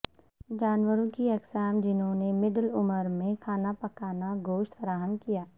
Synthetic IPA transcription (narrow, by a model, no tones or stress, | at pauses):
d͡ʒaːnwəɾõkiɛksaːmd͡ʒɪnɦõnemɪɖəlʊməɾmẽkʰaːnapɐkaːnaɡoːʃt̪fəɾaːɦənkijaː